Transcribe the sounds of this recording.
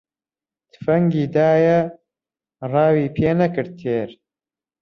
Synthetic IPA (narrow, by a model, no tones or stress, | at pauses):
t̪ɨ̥fɐŋɡiːd̪aːjɐ | rɑːwiːpʰeːnɐkɨɾ̚t̪ʰeːɾ